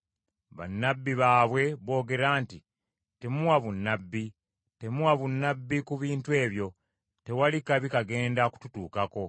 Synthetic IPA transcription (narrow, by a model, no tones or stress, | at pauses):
βa̰nːabːiβaːβwe̞βo̞ːɡe̞ɾaːnti | te̞muwaβunːabːi | te̞muwaβunːabːikuβiːntue̞ːβjo̞ | te̞walikaβikaɡe̞ːndaku̥tutuːkako̞